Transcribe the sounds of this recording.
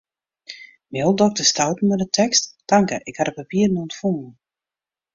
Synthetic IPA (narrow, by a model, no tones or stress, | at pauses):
mjolˠdɔk̚təstawtn̩mədətʰɛksttaŋkəʔɪkhaɾəpapiːərnontfuŋn̩